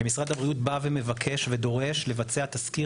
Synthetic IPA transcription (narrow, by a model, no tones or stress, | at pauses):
emisʁad̪habʁiut̪bave̞me̞vakʰe̞ʃve̞d̪o̞ʁe̞ʃle̞vat͡se̞at̪aski